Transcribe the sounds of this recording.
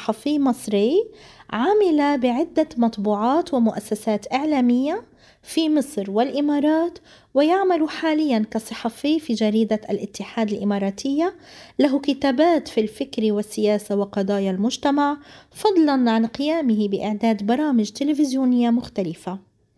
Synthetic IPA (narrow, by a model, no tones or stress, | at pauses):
ħɑfiːmɨsˤɾɪʕamɪlabɪʕɪd̪ːamɑt̪ˤbuːʕɑːt̪wɪmʊʔasːasaːt̪ʔɪʕlaːmɪjːa | fimɨsˤɾwɪlʔɪmɑːɾˤɑːt̪ | wɪjaʕmaluħaːlɪjːankɑsˤɨħɑfiːfid͡ʒaɾiːd̪aʔalʔɪt̪ːɪħaːd̪alʔɪmɑːɾˤɑːt̪ʰɪjːalaɦkɪt̪aːbaːt̪filfɪkɾiwɪsːɪjaːsawɪqɑd̪ˤɑːjalmʊʒt̪amaʕfɑd̪ˤlɑnʕanqɪjaːmɪɦɪbɪʔɪ̰ʕd̪aːd̪bɑɾˤɑːmɪʒt̪ɪlɪfɪzjuːnɪjːamʊxt̪alɪfa